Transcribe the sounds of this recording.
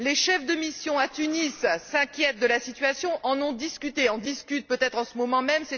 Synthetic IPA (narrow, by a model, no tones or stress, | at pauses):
leʃɛfd̪əmisjɔ̃at̪ynisːɛ̃kʲjɛt̪̚d̪əlasit̪ɥasjɔ̃ʔɑ̃nɔ̃d̪iskʲyt̪eɔ̃d̪iskʲyt̪̚pøt̪ɛt̪χɑ̃səmɔmɑ̃mɛmse